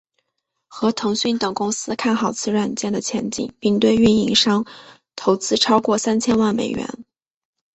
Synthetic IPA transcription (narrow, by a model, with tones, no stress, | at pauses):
xɤ˧˥t̪ʰɤ˧˥ŋɕy˥˩nt̪ɤ˨˩ŋkʊ˥ŋsɹ̩˥kʰa˥˩nxɑ˨˩ʊt͡sʰɹ̩˥˧ɻwa˥˩nt͡ɕjɛ˥˩nd̪ə˩t͡ɕʰjɛ˧˥nt͡ɕḭ˨˩ŋpi˥˧ŋt̪we˥˧ɪy˥˩ni˧˥ŋʂɑ˥ŋ | t̪ʰo˧˥ʊt͡sɹ̩˥ʈ͡ʂʰɑ˥ʊkwɔ˥˩sa˥nt͡ɕʰjɛ˥nwa˥˩nmḛ˨˩ɪɥɛ̰˧˥n